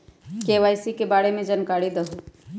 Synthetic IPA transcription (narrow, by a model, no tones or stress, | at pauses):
keːʋaːjsikebaːɽemẽd͡ʒənkaːɽid̪əɦu